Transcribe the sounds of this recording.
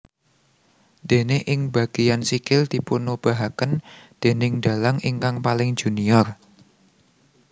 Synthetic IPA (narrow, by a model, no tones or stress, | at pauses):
d̪̥e̤neʔɪŋb̥a̤ɡ̥ijansikɪld̪̥ipunub̥a̤ɦakənd̪̥e̤nɪŋɖ̪̥a̤laŋiŋkaŋpalɪŋd͡ʒ̥ṳniɔr